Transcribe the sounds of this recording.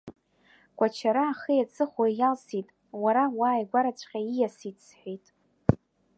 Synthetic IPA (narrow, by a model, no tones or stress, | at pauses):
ɡ̥ʷʼat͡ʃʰaɾaːχijat͡sʰʼɨχajalsitʼ | waɾawaːjɡʷaɾat͡ɕʷʰʼqʲʼaijasitʼsħʷᶣijtʼ